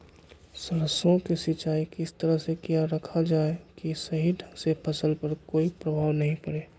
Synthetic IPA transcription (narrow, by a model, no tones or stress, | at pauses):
səɾəsõkesɪt͡ʃaːikɪst̪əɾəɦsekijaɾəkʰad͡ʒaːekisɐɦidʱəksepʰɐsəlpɐɾkoːipɾəbʱaːʋnɐɦĩpəɽeː